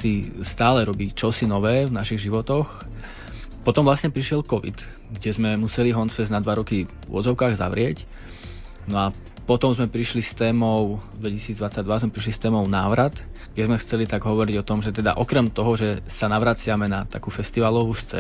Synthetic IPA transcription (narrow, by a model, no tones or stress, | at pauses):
t̪ist̪aːlɛɾɔbiːt͡ʃɔsinɔʋɛːvnaʃiɣʒiʋɔt̪ɔx | pɔt̪ɔmʋlasɲɛpɾiʃɪɛlkɔʋḭt̪ | ɡɟɛzmɛmusɛliɦɔnt͡sfɛznad̪ʋaɾɔki | ʊ̰ɔ̰zɔʊkaːɣza̰ʋɾɪɛc | nɔa | pɔt̪ɔmzmɛpɾiʃlist̪ɛːmɔʊd̪ʋɛcisiːd͡zd̪ʋat͡sːaɟd̪ʋazmɛpɾiʃ̬list̪ɛːmɔʊnaːʋɾat̪ɡ̥ɟɛzmɛxt͡sɛlit̪aɡɦɔʋɔɾiɟɔt̪ɔmʒɛt̪ɛd̪a̰ʔɔkɾɛmt̪ɔɦɔʒɛsanaʋɾat͡sɪamɛnat̪akuːfɛst̪iʋalɔʋuːst͡sɛ̰ː